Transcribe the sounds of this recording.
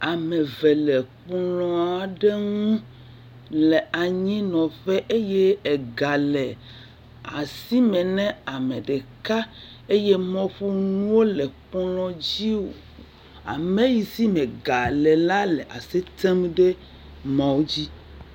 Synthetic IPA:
a˨mɛ̃˨vɛ˨lɛ˨k͡plɔ̃˦a˨ɖe˦ŋũ˦ | lɛ˨a˨ɲĩ˦nɔ̃˨ɸe˦ʔe˦je˦ɛ˨ɡa˨lɛ˨ | a̰˨si˦mɛ̃˨nɛ̃˦a˨mɛ̃˨ɖe˨ka˦ | e˦je˦mɔ̃˦ɸu˦nũ˦wo˦lɛ˨k͡plɔ̃˦d͡ʑi˦wo̰˨ | a̰˨me˦ji˨si˦mɛ̃˨ɡa˨lɛ˨la˦lɛ˨ʔa˨se˦t̪ɛ˦mɖe˦ | mɔ̃˨wo˦d͡ʑi˦

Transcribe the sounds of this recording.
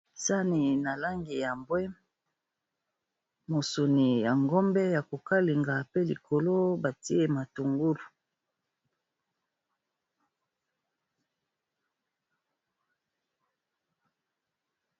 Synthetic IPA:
sa˦ni˨na˨la˦ŋɡi˨ja˨mbwɛ˦m | mo˨so˨ni˨ja˨ŋɡɔ˦mbɛ˦ja˨ko˨ka˦li˨ŋɡa˨pe˦lḭ˨kʰo˨lo˦ba˨ti˦e˦ma˨tu˨ŋɡu˦lu˨

